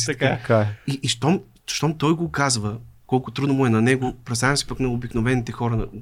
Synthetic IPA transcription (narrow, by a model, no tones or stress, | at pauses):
ɐakaɛiʔiʃt̪ɔm | ʃt̪ɔmt̪ɔjɡokazvəkɔlˠkʊt̪ɾud̪nmʊɛnɐnɛɡopɾɛst̪avɛmsi̥pɐknɐobiknovɛnit̪ɛxɔɾɐnɐ̰